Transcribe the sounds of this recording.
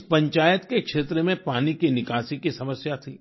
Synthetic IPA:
pɐ̃ɲt͡ʃaːjət̪kekʃeːt̪ɾemẽpaːnikinɪkaːsikisɐməsjat̪ʰiː

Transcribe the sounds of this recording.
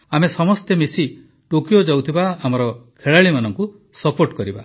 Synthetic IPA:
amesɔmɔst̪emesi | ʈokijod͡ʒawt̪ʰibaamɔɾɔkʰeɭaɭimanɔŋku | sɔpoɾʈkɔɾiba̰

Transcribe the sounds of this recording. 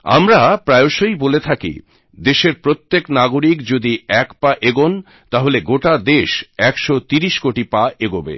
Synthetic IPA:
a̰mɾapɾaeoʃojbolet̪ʰakḭ | d̪eʃeɾpɾot̪ːeknaɡoɾikd͡ʑod̪iɛkpaʔeɡon | t̪aɦoleɡoʈad̪eʃɛkʃot̪iɾiʃkoʈipaʔeɡobḛ

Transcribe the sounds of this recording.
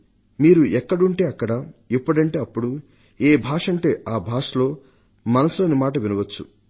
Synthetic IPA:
miːɾuʔɛkːɐɽuɳʈe̞ːɐkːɐɽɐipːɐɽɐɳʈeːɐpːuɽu | eːbʱaːʂɐɳʈe̞ːaːbʱaːʂɐlo̞ː | mɐnɐsloːnimaːʈɐʋinɐʋɐt͡ʃːu

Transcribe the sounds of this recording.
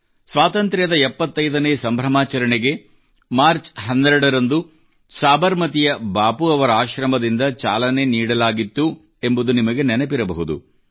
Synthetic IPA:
sʋaːt̪ɐnt̪ɾɐjɐd̪ɐɛpːɐt̪ːɐjd̪ɐneːsɐmbʱɾɐmaːt͡ʃɐɾɐɳeɡe̞ | maːɾt͡ʃɦɐnd̪ːɛɾɛɽɐɾɐnd̪u | saːbɐɾmɐt̪ijɐbaːpuɐʋɐɾɐaːʃɾɐmɐd̪ind̪ɐt͡ʃa̰ːlɐne̞niːɽɐlaːɡit̪ːu | e̞mbud̪unimɐɡe̞nɛnepiɾɐbɐ̰ɦud̪ṵ

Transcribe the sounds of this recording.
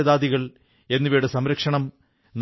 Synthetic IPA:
ɐðaːd̪iɣɐɭ | e̞nːuʋeːɽesɐmɾɐkʂɐɳɐm | n

